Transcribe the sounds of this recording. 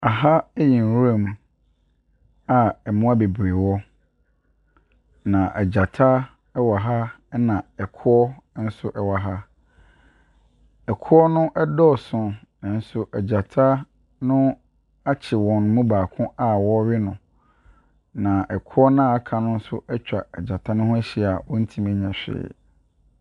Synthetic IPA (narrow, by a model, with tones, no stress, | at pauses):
a˨ɦa˦ɛ˦jĩ˨n˨wu˦ã˦˨m | a˨ɛ˨mʊ̃˦a˦be˨bɾe˨wɔ˦ | nã˨ʔɛ˨d͡ʑa˨tʰa˦ | ɛ˦wa˨ɦa˦ | nã˨ɛ˨kʰʊ˦ɔ˦n̩˦sʊ˦ʔɛ˨wa˨ɦa˦ | ɛ˨kʰʊ˦ɔ˦nʊ̃˦ʔɛ˦dɔ˦˨sʊ̃˦nã˨n̩˦sʊ˦ʔɛ˨d͡ʑa˨tʰa˦ | nʊ̃˦ | a˦t͡ɕʰɪ˨wɔ̃˨n˨mũ˦baː˨kʰʊ̃˦a˦˨wɔ˦ɥɪ˦nʊ̃˨ | nã˨ʔɛ˨kʰʊ˦ɔ˦nã˦˨a˦kʰa˨nʊ̃˦n̩˦sʊ˦ɛ˦t͡ɕᶣa̰˨ɛ˨d͡ʑa˨tʰa˦nʊ̃˦hʊ̃˦æ˦ɕi˨a˨wɔ̃˦n̩˦tʰĩ˦mæ̃˦ɲã˨ɕᶣɪ̰˦˨